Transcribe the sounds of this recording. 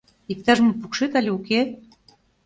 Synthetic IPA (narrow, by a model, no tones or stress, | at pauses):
ik̚t̪ɑʒmŏpukʃet̪alʲeuke